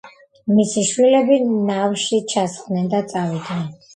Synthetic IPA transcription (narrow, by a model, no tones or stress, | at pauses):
misiʃwilɛbinavʃit͡ʃʰasχnɛnd̪at̪sʼavid̪nɛn